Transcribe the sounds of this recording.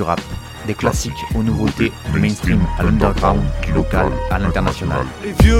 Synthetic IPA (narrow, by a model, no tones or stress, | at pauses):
yʁap | d̪eklasikonuvot̪emɛ̃nst̪imalɔ̃d̪ɛʁɡʁãw̃d̪lɔka̰lalɛ̃t̪ɛʁnasjɔna̰l